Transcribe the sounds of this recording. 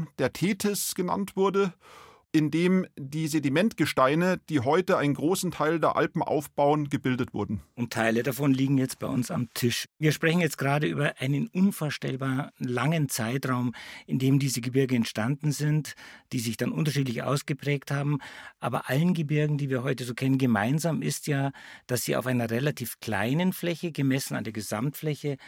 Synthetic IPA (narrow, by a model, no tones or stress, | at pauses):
d̥eːɐtʰeːtʰɪsɡ̥əna̰ntv̥ʊɐdə | ʔɪndeːmdiːzedimɛntɡ̥əʃtaɪnəd̥iːɦɔʏtəaɪnənɡʁoːsn̩tʰaɪldeːɐʔa̰lpm̩ʔa̰ʊfb̥aʊənɡəbɪldətv̥ʊ̰ɐdn̩ʔʊntʰːaɪlədafɔnliːɡŋ̩jɛt͡st̚b̥aɪʔʊnsa̰mtʰɪʃviːɐʃpʁ̥ɛçn̩jɛt͡st̚ɡəʁaːɾəʔy̰ːbɐʔaɪnənʔʊnfoːɐʃtɛ̰lbaːnlaŋənt͡saɪtʁaʊmʔɪndeːmdiːzəɡəbɪɐɡəɛntʃtandn̩zɪntd̥iːzɪçd̥anʔʊntɐʃiːt̬lɪçʔa̰ʊsɡ̥əpʁ̥ɛːkthaːbm̩ʔa̰ːbɐ̰ʔalənɡəbɪɐɡŋ̩diːviːɐɦɔʏtəzoːkʰɛnənɡəmaɪnzaːmɪstjaːd̥asz̥iːa̰ʊfaɪnɐʁɛlatʰiːfkʰl̥a̰ɪnənflɛçəɡəmɛsn̩a̰ndeːɐɡəza̰mtflɛçə